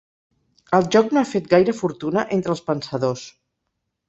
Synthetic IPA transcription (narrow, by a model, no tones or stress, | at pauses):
əlˠʒɔknoafet̪̚ɡajɾəfuɾt̪unəʔent̪ɾəlˠspənsəðos